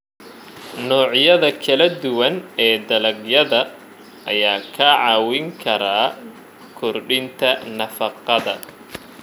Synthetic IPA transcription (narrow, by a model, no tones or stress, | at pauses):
nɔːʕjɐðɐkʰɐlɐd̪ʊwɐnɛːd̪ɐlɐɡjɐðɐ | ɐjaːkʰɐʕɑːwɪŋkʰɐɾaː | kʰʊrɖɪnt̪ʰɐnɐfɑqɑðɐ